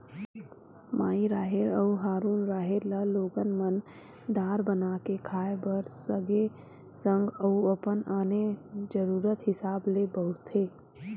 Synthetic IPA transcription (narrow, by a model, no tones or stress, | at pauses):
maːiɾaːɦeɾəuɦaːɾuːnɾaːɦeɾlaloːɡənmən | d̪aːɾbənaːkekʰaːebəɾsəɡe | sə̃ŋɡəuəpənaːned͡ʒəɾuːɾət̪hɪsaːblebəʊɾt̪ʰeː